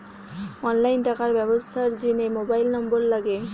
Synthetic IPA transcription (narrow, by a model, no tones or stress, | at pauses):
ɔnlajnʈakaɾbɛbost̪ʰaɾd͡ʑinemobajlnɔmboɾlaɡe